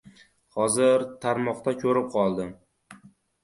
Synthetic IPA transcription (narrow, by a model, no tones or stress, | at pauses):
hɒzɪɾt̪ʰaɾmɒqt̪akʰʲɵɾɪp̚qʰɒlˠd̪ɪ